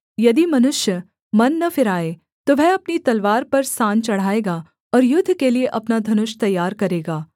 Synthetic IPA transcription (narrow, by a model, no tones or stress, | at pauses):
jɐd̪imɐnʊʃjə | mɐnːɐfɪɾaːe | t̪oʋʱɛɐpnit̪ɐlʋaːɾpɐɾsãːnt͡ʃɐɽ̤aːeːɡa | ɔːɾjʊd̪ʱːkelieʔɐpnad̪ʱɐnʊʃt̪ɐjːaːɾkɐɾeːɡaː